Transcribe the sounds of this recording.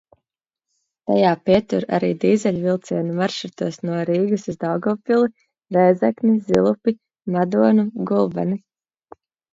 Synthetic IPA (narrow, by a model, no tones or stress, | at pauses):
t̪a̰jaːpiɛt̪uɾa̰ɾiːd̪iːzɛʎʲvilˠt̪siɛnumaɾʃuɾt̪uɔsnuɔɾiːɡusuzd̪awɡɔːpilˠi | ɾɛjzɛknizilˠupi | mad̪uɔnuɡulˠbɛ̰ni